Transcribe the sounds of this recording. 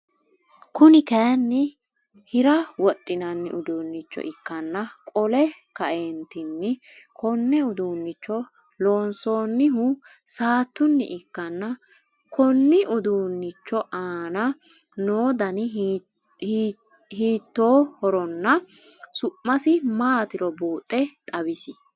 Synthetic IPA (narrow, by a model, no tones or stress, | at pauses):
kʊnɪkɛjɐnːɪ | hɪɾɐwɔtʼːɪnɐnːɪ̰ʔʊd̪uːnːɪt͡ʃːɔ̰ʔɪkːɐnːɐkʼɔlɛkɐʔeːnt̪ɪnːɪkʰɔnːɛʊd̪uːnːɪt͡ʃːɔ | loːnso̞ːnːɪɦʊ | saːt̪ːʊnːɪ̰ʔɪkːɐnːɐ | kʰɔnːɪʔʊd̪uːnːɪt͡ʃːɔʔaːnɐ | noːd̪ɐnɪ | hiː | hiːt̪ːo̞ːhɔɾɔnːɐsʊʔːɐsɪmaːt̪ɪɾɔbuːt̪ʼːɛt̪ʼɐbɪsɪ